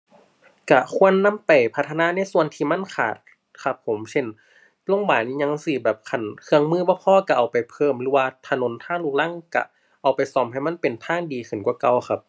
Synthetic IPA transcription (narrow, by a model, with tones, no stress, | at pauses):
ka˧kʰu˧˥˨ənːa˧˥˨mpa˨˩jpʰa˧t̪ʰːa˧naː˧˥˨na˧˥˨jsu˧˨ənt̪ʰiː˧˨ma˧˥˨nkʰa̰ː˨˩t̪̚ | kʰa˧˩p̚ʰːo˨˦mse˧˨n | lo˧˥˨ŋbaː˨˩niː˧ɲa˧˥˨ŋsi˧˩bɛː˨˩p̚kʰa˧˩˨nkʰɯ˧əŋmɯː˧˥˨bɔː˧˦pʰɔː˧˥˨ka˧˩ʔa˨˩wpa˨˩jpʰɤː˧˩˨mɾɯː˧˦waː˧t̪ʰa˧˨no˧˦nt̪ʰaː˧˥˨ŋluː˧˩k̚la˧˥˨ŋka̰˧˩ | ʔa˨˩wpa˨jsɔː˧˩mha˧˩jma˧˥˨npe˨˩nt̪ʰaː˧˥˨ŋdiː˨kʰɯ˨˩nkwka˧˩wxʰa˧˥p̚